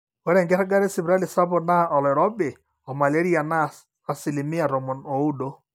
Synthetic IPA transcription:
ɔ˦ɾɛ˨ŋɡɛ˦ɾa˦ɡa˦ɾe˦si˨βɾa˦li˨sa˦bo˦˨na˦ɔ˨lɔ˨ɾɔ˦be˨ | ɔ˨ma˨le˦ɾi˦a˨naː˦˨ | si˨li˨mi˦a˨ɾɔ˨mɔ˨no˨u˦do˦

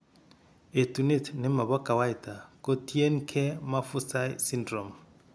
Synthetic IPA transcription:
e˨tu˨ne˦˨tne˨˦ma˨βɔ˦ka˨wa˦i˨ta˨ko˦tje˦nkʰɛ˦ma˦fu˦sa˦isi˦ndɾɔ˨m

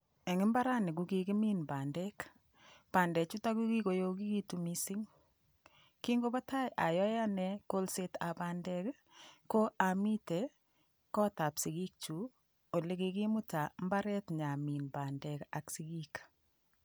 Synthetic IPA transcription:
ɛ˨ŋɪ˦mba˦ɾa˦ne˨ɡu˦ki˨ki˦mi˦nba˨ndɛ˦k | pa˨ndɛ˨t͡ʃu˦ta˦ku˦ki˦ko˨jo˦ki˦ki˦tu˨mi˦si˦ŋ | ki˦ŋɡo˦ba˦ta˦jʔa˨jɔ˦ja˦nɛ˦ko˦lse˦ta˨pa˨ndɛ˦k | ko˦ʔa˨mi˦te˨ | kɔ˦ta˨psi˨ɡi˦k̚t͡ʃu˨ | o˨le˦ki˨ki˦mu˦ta˨mba˦ɾɛ˦tɲa˨mi˨nba˨ndɛ˨ka˨ksi˦ɡi˦k

